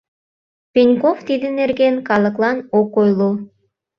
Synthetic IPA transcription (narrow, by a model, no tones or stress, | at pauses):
pʲinʲkoft̪id̪ɘneɾɡʲenkɑlˠɤ̆klˠɑnokojlˠu